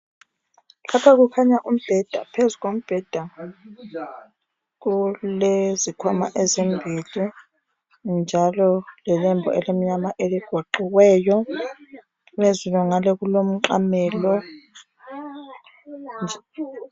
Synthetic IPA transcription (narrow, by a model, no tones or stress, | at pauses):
lapʰaɣukʰaɲaʔum̩b̥ʱɛd̥ʱa̰pʰezuɣom̩b̥ʱɛd̥ʱa | ɣulezikʰwamaʔɛzembʱili | nd͡ʒʱalɔlɛlɛmbʱɔ̰ɛlem̩ɲamaʔeliɡ̥ʱoǃiɣwɛːjɔ | mezulɔŋalɛɣulom̩ǃa̰mɛːlɔ